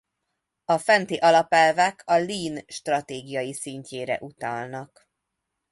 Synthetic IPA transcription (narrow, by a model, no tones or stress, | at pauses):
ɒfɛnt̪eːʔɒlɒpɛlvɛkʰɒliːnʃt̪rɒt̪eːɡijɒjisiɲceːɾɛ̰ʔut̪ɒlnɒk